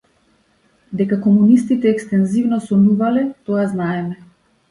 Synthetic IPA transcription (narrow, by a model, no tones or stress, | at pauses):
d̪ɛkakɔmunist̪it̪ɛːkst̪ɛnzivnɔsɔnuvalɛt̪ɔaznaɛmɛ